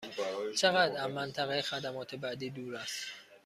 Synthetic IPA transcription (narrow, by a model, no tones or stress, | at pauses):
t͡ʃʰeɣæd̪æzmænt̪ʰæɣejexæd̪æmɒːt̪ʰebæd̪iːd̪uːɾæst̪